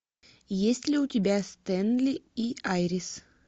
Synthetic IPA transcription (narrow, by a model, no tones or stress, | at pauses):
jesʲtʲlʲɪʊtʲɪbʲast̪ɛnlʲɪiajɾʲɪs